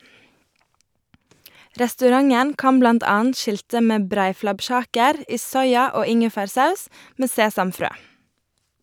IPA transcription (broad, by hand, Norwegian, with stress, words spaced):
ɾɛstʉˈɾɑŋən ˈkɑm ˈblɑnt ˈɑːn̩t ˈʃɪltə ˈmeː ˈbɾæɪflɑbˌʃɑːkəɾ ˈiː ˈsɔʏɑ ˈoː ˈɪŋəfæːɾˌsɑʉs ˈmeː ˈseːsɑmˌfɾøː